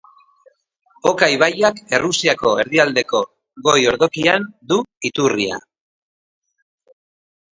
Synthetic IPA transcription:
o̞kajβ̞ajake̞rusiako̞e̞ɾðiald̪e̞ko̞ | ɣo̞jo̞ɾðo̞kiand̪uit̪uria̰

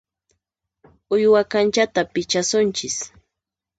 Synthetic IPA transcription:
ʊjwakant͡ʃat̪apɪt͡ʃasʊnt͡ʃɪs

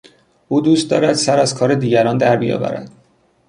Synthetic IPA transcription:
ʔuːd̪uːst̪̚d̪ɒːɾæd̪̥sæɾæzkʰɒːɾed̪iːɟæɾɒːnd̪æɾbijɒ̰ːvæ̰ɾæ̰d̪̥

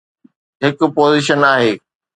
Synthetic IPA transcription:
ɦɪkʊ̆poːziːʃənaːɦeː

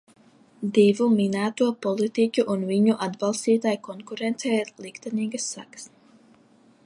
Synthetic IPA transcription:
d̪ivuminæːt̪uɔpɔlˠit̪icʲuʔunviɲuʔad̪balˠst̪iːt̪ajkɔŋkuɾɛnt̪sɛjlˠikt̪ɛniːɡasːa̰ks

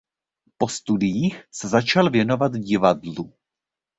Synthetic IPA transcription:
po̞st̪udɪjiːxsɛzat͡ʃalvjɛno̞vat̪vɟɪvadlu

